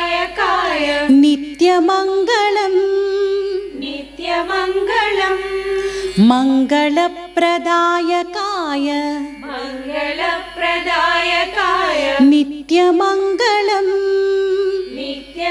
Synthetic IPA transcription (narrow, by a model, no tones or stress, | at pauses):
jɐkaːjɐnit̪jɐmɐŋɡɐɭɐm | nt̪jɐmɐŋɡɐɭɐm | mɐŋɡɐɭɐpːɾɐd̪aːjɐkaːjɐmɐŋɡɐɭɐpɾɐd̪aːjɐkaːjɐnit̪jɐmɐŋɡɐɭɐm | nt̪j